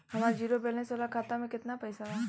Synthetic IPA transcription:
hɐmaːɾd͡ʒiːɾobeːlnesoːlakʰaːt̪amẽkɪt̪napɐjsataː

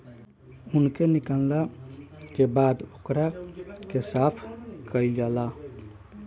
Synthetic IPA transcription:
unkenikəlnakebad̪okɾakesap̪ʰkəiɡɛla

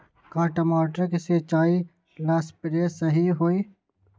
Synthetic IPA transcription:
kaːʈɐmaːʈɾkeseːt͡ʃaːi | laːspɪɾesəɦiɦoːiː

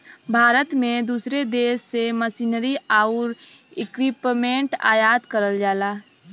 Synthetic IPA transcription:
bʱaːɾət̪mẽd̪uːsɾed̪eːʃːeməsiːnəɾiaːʊɾɪkwɪpmẽɳʈa̰ːjaːd̪kəɾəld͡ʒaːlaː

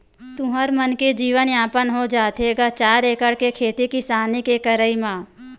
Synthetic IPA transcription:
t̪ʊɦəɾmənked͡ʒiːʋənaːpənɦod͡ʒaːt̪eːɡaːt͡ʃaːɾeːkəɽkekʰeːt̪ikisaːnikekəɾəimãː

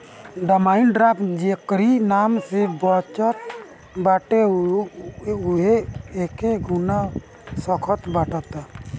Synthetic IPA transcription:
ɖamainɖɾapʰd͡ʒekɾinamsɛbɔt͡ʃɔt̪̚ | baʈe | uɦeɛkeɡʱuna | sɔkʰɔt̪baʈat̪a

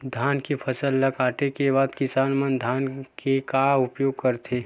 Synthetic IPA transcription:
d̪ʱaːnkepʰəsəlːəkaːʈekeβaːd̪kɪsaːnmənd̪ʱaːnkekaʊpjoːɡ̚kəɾt̪ʰeː

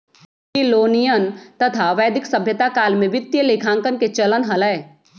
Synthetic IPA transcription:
kiloːnijənt̪ət̪ʰaʋɛːd̪ɪksəbʱjət̪akaːlmẽʋɪt̪ːjəleːkʰãːŋkənket͡ʃələnɦɐləː

